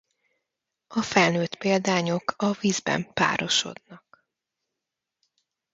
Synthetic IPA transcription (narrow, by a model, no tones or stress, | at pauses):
ɒfɛlnøːt̪peːld̪aːɲo̞kʰɒviːzbɛ̰mpa̰ːɾo̞ʃo̞̰d̪nɒk